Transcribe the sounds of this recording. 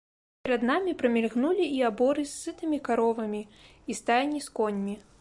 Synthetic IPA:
pʲɛɾɐd̪namʲipɾɐmʲɛlɣnulʲiːabɔɾɨsːɨt̪ɨmʲikaɾɔvɐmʲi | ist̪ajʲnʲiskɔnʲmʲi

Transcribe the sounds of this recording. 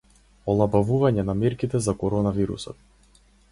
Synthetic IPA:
ɔlˠabavuvaɲɛnamɛɾkit̪ɛzakɔɾɔnaviɾṵsɔ̰t̪̚

